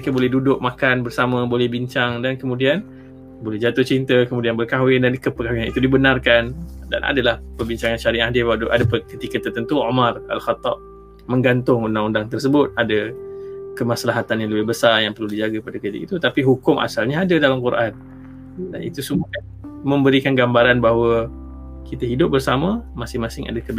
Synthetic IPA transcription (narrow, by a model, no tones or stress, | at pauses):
məikabolɛɦdudʊk̚makanbərsamãbolɛhbiɲt͡ʃaŋdankəmũdian | bolɛhd͡ʒat̪ʊht͡ʃint̪əkəmudianbərkawɪndankəpəkawɪŋanḭt̪udibənarkanda̰nʔa̰dalahpərbiɲt͡ʃaŋanʃaɾiadɪfaduʔa̰dapənkit̪ikət̪ərt̪ənt̪uomara̰lxat̪ːɑp̚ | mə̃ŋɡant̪ʊŋundaŋundaŋt̪ərsəbʊt̪̚ada | kəmaslaɦat̪anjaŋləbɪɦbəsarjaŋpərludid͡ʒaɡapadakit̪ḭkit̪ut̪apiɦukʊmʔa̰salɲaadadalamkuɾʔan | da̰nḭt̪usəmu | mə̃mbəɾikanɡambaɾanbaɦwə | kit̪əɦidʊp̚bərsamə̃masɪŋmasɪŋa̰dakəb